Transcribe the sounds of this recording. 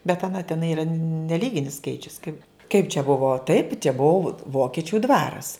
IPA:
bʲɛt ɐˈnɐ tʲɛˈnɐɪ iːˈrɐ nʲɛˈlʲiːɡʲɪnʲɪs ˈskɐɪt͡ʃʲʊs kɐɪ kɐɪp t͡ʃʲɛ ˈbʊʋoː tɐɪp t͡ʃʲɛ ˈbuɔ ˈʋoːkʲɪt͡ʃʲʊ ˈdʋɑːrɐs

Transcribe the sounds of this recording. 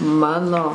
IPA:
ˈmɑːnoː

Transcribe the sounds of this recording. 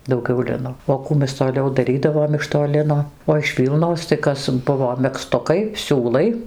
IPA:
dɐʊˈɡʲɛʊ ˈlʲɪnoː oː ˈkuː mʲɛs toːˈlʲɛʊ dɐˈrʲiːdɐʋoːm ɪʃ toː ˈlʲɪnoː oː ɪʃ ˈʋʲiːlˠnoːs tɐɪ ˈkɐs ˈbʊʋoː mʲɛkˈstʊkɐɪ ˈsʲuːlˠɐɪ

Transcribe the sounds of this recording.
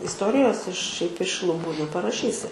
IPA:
ɪsˈtoːrʲɪjoːs ɪʃ ʃʲɛɪp ɪʃ lˠʊˈbuː nʲɛpɐrɐˈʃʲiːsʲɪ

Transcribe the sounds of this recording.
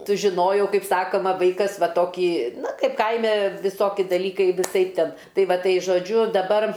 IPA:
sʊʒʲɪˈnoːjɛʊ ˈkɐɪp ˈsɑːkoːmɐ ˈʋɐɪkɐs ˈʋɐ ˈtoːkʲiː ˈnʊ ˈkɐɪp ˈkɐɪmʲɛ ʋʲɪˈsoːkʲɪ dɐˈlʲiːkɐɪ ʋʲɪˈsɐɪp ˈtʲɛn ˈtɐɪ ˈʋɐ ˈtɐɪ ʒoːˈd͡ʒʲʊ dɐˈbɐr

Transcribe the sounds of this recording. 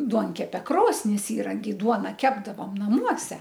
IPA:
ˈduɔŋʲkʲɛpʲɛ ˈkroːsʲnʲɪs ˈiːrɐŋʲkʲɛɪ ˈduɔnɐ ˈkʲæːbdɐʋoːm nɐˈmuɔsʲɛ

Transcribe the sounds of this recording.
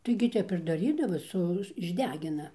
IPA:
tɐɪɡʲɪ ˈtʲɛp ɪr dɐˈrʲiːdɐʋoː ˈsʊ ɪʒʲˈdʲæːɡʲɪnɐ

